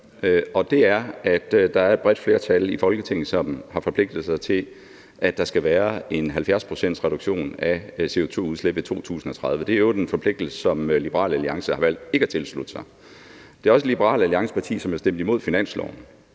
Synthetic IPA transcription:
ɒ̽d̥e̝æɐæd̥d̥ɑ̈æɐed̥̚b̥ʁɛd̥fle̝ːɐt͡sʰælifɒ̽lɡ̥ət͡sʰeŋ̰n̩sɒ̽mhɑ̈fɒ̽pʰle̝ɡ̥̚d̥ð̩ˠsɑ̈ɪt͡sʰe̝l | ʔæd̥ɑ̈sɡ̥æʋæːɐe̝nɦælfjæɐspʰʁo̝sen̰d̥sʁɛɾ̥uɡ̥ɕo̝̰ːnæse̝o̝t͡sʰo̝̰ːuð̞ˠsleb̥et͡sʰo̝̰ːt͡sʰṵːsn̩ɒ̽t͡sʰʁɑ̈ð̞ˠʋəd̥e̝æeʊd̥enfɒ̽pʰl̥e̝ɡ̥d̥l̩sə̥sɒ̽mlibəʁɑ̰̈ːləæliɑ̈ŋsəhɑ̈ʋæl̰d̥e̝ɡ̥əæt͡sʰe̝lslud̥sɑ̈ɪ | d̥e̝ɒ̽s̬əlib̥əʁɑ̰̈ːləæliɑ̈ŋsə̥pʰɑ̈t͡sʰḭːsɒ̽mæɐsd̥em̰d̥imo̝ð̞̰ˠfinæn̰slɒ̰ʊn̩

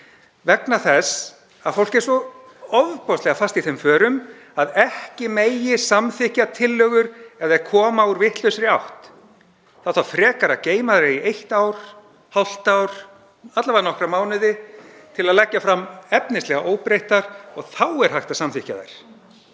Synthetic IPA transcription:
vɛknaθɛs | a̰fowl̥cɛɾ̥sɔ | ɔvpɔst̪lɛɣafast̪iθejmfœːɾʏm | aðɛhcɪmeːjɪsamθɪhcat̪ʰɪlːœɣʏɾɛðɛɾkʰɔːmauɾvɪht̪lʏsɾɪawht̪ | θawθawfɾɛːkaɾaceːjmaðɾɪiejht̪awɾ̥ | hawl̥t̪awɾ̥ | at̪lavaðnɔhkɾamaːwnɪðɪt̪ʰɪlaðlɛcːafɾamɛpnɪslɛɣaʔoːwpɾejht̪aɾ̥ɔɣθawɛɾ̥haht̪ḁsamθɪhca̰ða̰ɾ̥

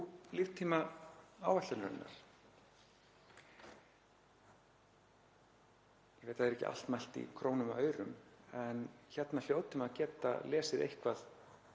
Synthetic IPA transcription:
liːvt̪ʰiːmaaːwvaht̪ʏɾnaɾɪnːa̰ɾ̥ | jɛvejt̪ʰːaðɛɾɛhcɪ̰ʔa̰l̥t̪majl̥t̪ḭkʰɾoːwnʏmaœːɥɾʏmɛnçɛt̪nal̥joːwt̪ʏmaðcɛːt̪a̰lɛːsɪðḛjhkvaθ

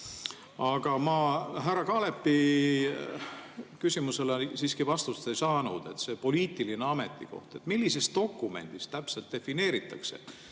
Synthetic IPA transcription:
ɑɡ̥ɑmɑɦæɾɑkɑːle̞pːi | kysimuse̞lesiːskivɑst̪ust̪e̞jsɑːnud̪̥e̞t̪ːse̞po̞liːt̪ˑilineɑme̞t̪ːˑḭko̞̰ht̪e̞t̪ːmilːise̞st̪̚d̪̥o̞kːˑume̞̰nd̪̥ist̪æpse̞lt̪̚d̪̥e̞fine̞ːɾit̪ːˑɑ̰kse̞̰

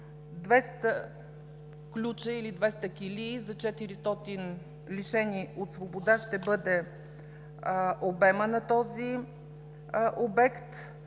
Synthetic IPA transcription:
d̪vɛst̪ə | klʲut͡ʃəilid̪vɛst̪əkʲilizɐt͡ʃɛt̪iɾist̪ɔt̪in | liʃɛniot̪svobod̪aʃt̪ɛbɤd̪ɛ | ʔobɛmənɐt̪ɔzi | ʔobɛkt̪

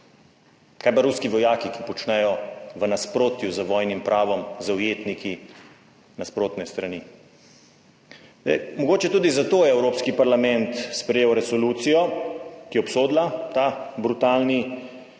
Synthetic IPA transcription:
kaːjbaɾuskiʋɔjaːkikipɔt͡ʃnɛjɔʋənaspɾoːt̪juzəʋɔːjnimpɾʔaːʋɔmzɐwjeːt̪niki | naspɾoːt̪nɛst̪ɾani | d̪ɛ̰jmɔɡoːt͡ʃɛt̪uːd̪izat̪oːjɛɛwɾoːpskipaɾlamɛnt̪spɾɛjeːwɾɛsɔluːt̪sijɔkijɛɔpsoːd̪lat̪abɾut̪aːlni

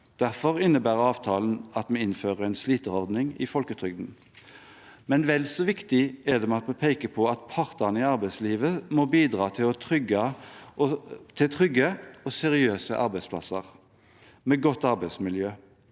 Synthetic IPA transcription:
d̪̥æʁfɔʁɪnːəbæːʁɑːʋt̪ʰɑːln̩ɑt̪mɛɪnføːʁəɛɪnsliːt̪əɔʁd̪nɪŋɪ̰fɔlkət̪ʰʁʏɡd̪n̩ | mɛnʋɛlsɔʋɪkt̪ɪɛd̪ɛmɛɑt̪mɛpʰeɪkəpʰɔɑt̪pʰɑʁt̪ənəɪɑʁbæɪsliːʋəmɔbiːd̪ʁɑːt̪ʰɪlɔt̪ʰʁʏɡɑ | t̪ʰɪlt̪ʰʁʏɡːəɔsɛʁɪøːsə̰ʔɑʁbæɪsplɑ̰sə̰ʁ | meːɡɔt̪ːɑʁbæɪsmɪljøː

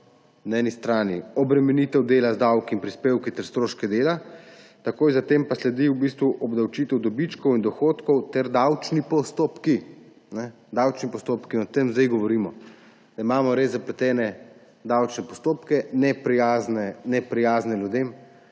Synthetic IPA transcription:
naɛːnist̪ɾaːniɔbɾɛmɛnit̪ɛwd̪eːlazd̪awkiinpɾispeːwkit̪ɛɾst̪ɾoːʃkɛd̪eːlat̪akoːjzat̪empaslɛd̪iwbist̪ʋuʔɔbd̪awt͡ʃit̪ɛwd̪ɔbit͡ʃkɔwind̪ɔxoːt̪kɔwt̪ɛɾd̪awt͡ʃnipɔst̪opki | nɛ | d̪awt͡ʃnipɔst̪opkiɔt̪emzd̪ajɡɔʋɔɾimɔ | d̪̥aimaːmɔɾezːapɾɛt̪ɛːnɛ | d̪awt͡ʃnɛpɔst̪oːpkɛnɛpɾijaːznɛnɛpɾijaːznɛljud̪em

